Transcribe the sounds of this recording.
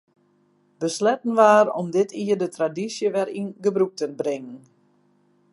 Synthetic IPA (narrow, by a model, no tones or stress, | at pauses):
b̥əslɛtn̩ʋaːɾɔ̰mdɪtʰiərdətradisjəʋɛɾinɡəbruk̚tənbrɪŋən